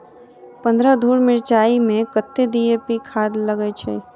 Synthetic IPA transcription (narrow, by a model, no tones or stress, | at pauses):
pə̃nd̪ɾəd̪ʱuːɾmɪɾt͡ʃaːimẽkət̪ːed̪iepikʰaːd̪ləɡɛt͡ʃʰɛ̰ː